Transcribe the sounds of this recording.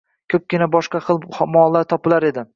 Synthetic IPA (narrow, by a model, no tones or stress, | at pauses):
kʲʰɵp̚kʲɪnabɒʃqɑχɨlˠmɒlˠːaɾt̪ʰɒpɪlaɾe̞d̪ɪ